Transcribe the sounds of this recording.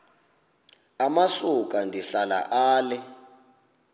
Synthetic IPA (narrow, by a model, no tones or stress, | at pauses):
amasuk̬ʼandʱiɬala̰ʔaːlɛ